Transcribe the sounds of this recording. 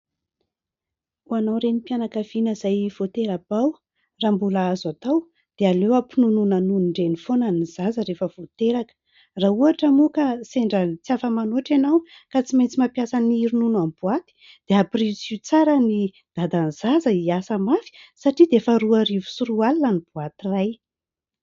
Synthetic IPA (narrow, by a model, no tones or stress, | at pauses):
uanawɾenipjanakav̥inəzajv̥ot̪eɾabaw | rambulaazat̪aw | d̪̥ealewapinununanunuɳɖ͡ʐenifonaniz̥azəɾefəv̥ot̪eɾakə̥ | rauaʈ͡ʂəmukaseɳɖ͡ʐət͡siafəmanuaʈ͡ʂanaw | kat͡simajnt͡simapjasaniiɾununuambuat̪i̥ | d̪̥eaprit͡sut͡saɾəni | d̪̥ad̪aniz̥azəiasəmafi̥saʈ͡ʂid̪eefəɾuarivu̥suɾualilanibuat̪iraj